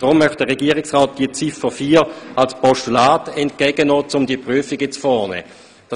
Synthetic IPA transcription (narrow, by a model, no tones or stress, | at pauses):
d̥ʁʊmːœχt̚d̥əʁɛɡiːʁɪiksʁaːt̚d̥iət͡sifəfiːʁalspɔʃtulaːtɛntkɛɡənɔːt͡sʊmdiəpʁyəfiɡɛt͡sfɔːnɛ̰ | d̥ɑ